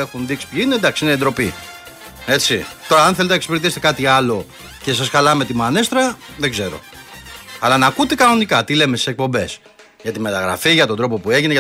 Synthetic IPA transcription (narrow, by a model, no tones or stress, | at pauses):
exunðiksi̥pçiinend̪ɐksiineiend̪ɾo̞pi | e̞t͡sit̪o̞ɾɐɐnθelet̪enɐekspiɾit̪ise̥t̪ekɐt̪iɐlo̞ | ce̞s̬ɐsxɐlɐme̞t̪imɐnest̪ɾɐðeɡze̞ɾo̞̰ | ɐlɐnɐkut̪e̞kɐno̞nikɐt̪ile̞mest̪ise̞k̚po̞mbe̞s | ʝɐt̪imet̪ɐɣɾɐ̰fiʝɐt̪o̞nd̪ɾo̞po̞pue̞ʝineʝɐ